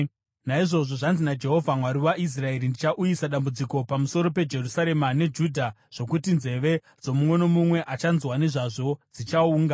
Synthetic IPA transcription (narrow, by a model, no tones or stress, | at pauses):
naiʐo̞ʐo̞ʐanzinad͡ʒe̞ɦo̞vʱamwaɾiwaʔis̬rae̞ɾindit͡ʃaʔujisaɗambud͡ziko̞pamuso̞ɾo̞pe̞d͡ʒe̞rusaɾe̞mane̞d͡ʒudʱa | ʐ̥o̞kutinze̞ʋe̞ | d͡zo̞mumwe̞nomumwe̞ʔat͡ʃanzwane̞ʐaʐo̞d͡zit͡ʃauːŋɡa